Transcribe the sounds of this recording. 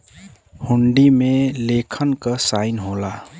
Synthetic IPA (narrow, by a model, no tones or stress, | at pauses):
huɳɖimelekʰənkʌsajnɦola